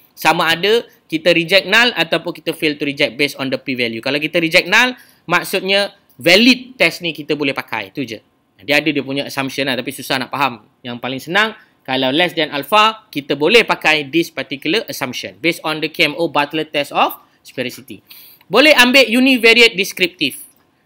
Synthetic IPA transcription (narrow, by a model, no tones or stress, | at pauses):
samãːdə | kit̪əɾid͡ʒɛk̚nalat̪awpʊnkit̪əfelt̪uɾid͡ʒɛk̪̚besɔndəpivɛljukalawkit̪əɾid͡ʒɛk̚nal | mak̚sut̪̚ɲa | vɛlit̪̚ːɛsnikit̪əbolɛhpaka̰jt̪ud͡ʒə̰ | diəadədiəpuɲaasampʃə̃naht̪apisusahnaʔpaɦam | jaŋpalɪŋsənãŋ | kalawlɛsdɛnʔalfakit̪əbolɛhpakajdispat̪ikjuləʔəsampʃə̰nbesɔndəkeɛmobat̪lət̪ːɛsɔf | spɛɾisit̪ḭ | bolɛhambeʔjunivɛɾiət̪̚diskɾip̚t̪if